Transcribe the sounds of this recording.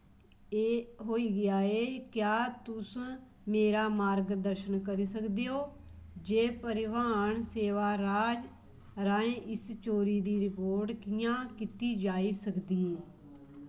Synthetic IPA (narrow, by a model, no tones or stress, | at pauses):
eːɦoːiːɡɪaːeːkjaːt̪ʊs | meːɾaːmaːɾɡd̪əɾʃənkəɾiːsəkd̪eːoː | d͡ʒeːpəɾɪʋaːɳseːʋaːɾaːd͡ʒ | ɾaːẽːʔɪst͡ʃoːɾiːd̪iːɾɪpoːɾʈkɪjãːkɪt̪iːd͡ʒaːiːsəkd̪iẽ